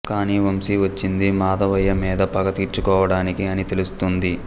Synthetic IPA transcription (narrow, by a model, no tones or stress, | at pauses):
kaːniːʋɐmsiʋɐt͡ʃːind̪imaːd̪ɐʋɐjːɐmiːd̪ɐpɐkɐt̪iːɾt͡ʃukɔːʋɐɽaːnikiɐnit̪e̞lust̪und̪i